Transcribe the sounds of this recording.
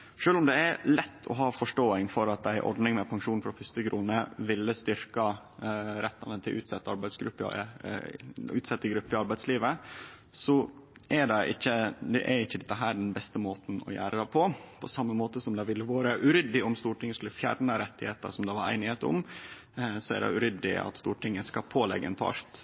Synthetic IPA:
ʂøːlʊmd̪ɛæɾlɛt̪ʰːɔ̰ɦɑːfɔʂʈoːɪŋfɔɾɑt̪̚d̪æɪʔɔ̰ɾɖnɪŋmɛpʰɑŋʂuːnfɾɑfʏst̪əɡɾʔuːnəʋɪlːəst̪ʏɾkɑ | ɾɛt̪ːɑnət̪ʰɪʔʉ̰ːt̪sɛt̪ːəɑɾbæɪsɡɾʉpːə̰ | ʉ̰ːt̪sɛt̪ːəɡɾʉpːəɪɑɾbæɪd̪sliːʋə | sɔʔɛɖɛʔɪçːəd̪ɛʔæɾɪçːəd̪ɛt̪ːəɦæːɖɛnbɛst̪əmoːt̪n̩ɔ̰jæ̰ːɾəd̪æpʰɔpʰɔsɑmːəmoːt̪əsɔmd̪ɑʋɪlːəʋoːɾəʔʉɾʏd̪ːɪʊmst̪uːʈɪŋːəskʉlːəfjæ̰ːɾnəɾɛt̪ːɪheːt̪ə̰sɔmd̪ɑʋɑɾæ̰ɪnɪheːt̪ɔ̰m | sɔæ̰ɖɛ̰ʉɾʏd̪ɪ̰ɑ̰t̪st̪uːʈɪŋːəskɑpʰoːlɛ̰ɡːəɛnt̪ʰɑ̰ːʂt̪

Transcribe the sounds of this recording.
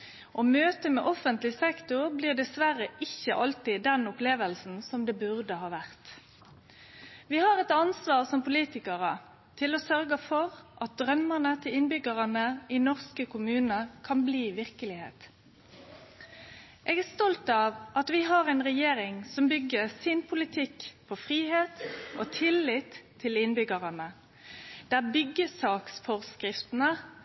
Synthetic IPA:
ʔoːmøːt̪əmɛ̰ʔɔfənt̪lɪsɛkt̪ʊʁbliːʁd̪ɛsʋæʁəʔɪçːəʔɑlt̪ɪd̪ɛnʊpleːʋəlsn̩sɔmd̪ɛːbʉʁd̪əhɑːʋæʁt̪ | ʋɪhɑʁɛt̪ɑnsʋɑːʁsɔmpʊliːt̪ɪkəʁə | t̪ʰɪloːsœʁɡəfɔʁʔɑt̪̚d̪ɾœmːəʁnət̪ʰɪlɪnbʏɡəʁənəʔɪnɔʁskəkʰʊmʉːnəkʰɑnbliːʋɪʁkəlɪhḛːt̪ | ʔeːɡæʁst̪ɔlt̪ɑʋʔɑt̪ʋɪɦɑʁɛɪnʁɛjeːɾɪŋsɔmbʏɡəɾsɪnpʰʊlɪt̪ʰɪkpʰɔfʁiːheːt̪oːt̪ʰɪlːɪt̪ʰːɪlɪnbʏɡəʁənə | d̪̥æʁbʏɡːəsɑːksfɔʁskʁɪft̪ənə

